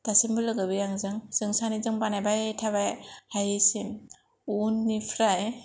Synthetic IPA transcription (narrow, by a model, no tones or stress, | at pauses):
tasimbɯlɯɡɯbɯjaŋzɯŋz̥ɯŋsanizɯŋbanajbajtʰaβajhajisim | unːipʰɾaj